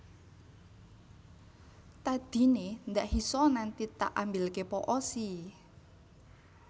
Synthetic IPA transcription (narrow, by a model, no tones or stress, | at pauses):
t̪ad̪̥i̤nend̪aʔhisɔnant̪it̪a̰ʔambilkepɔʔɔsi